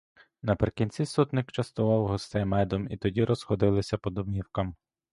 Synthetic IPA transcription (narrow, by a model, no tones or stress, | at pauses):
nɐpɾɪkʲinʲt͡sʲisut̪nɪkt͡ʃɐst̪ɔʋɑwɦɔst̪ɛjmɛd̪ɔmit̪ɔdʲiɾʔɔzxɔd̪ɪlˠɪsʲɐpɔd̪ɔbmʲiwkɐm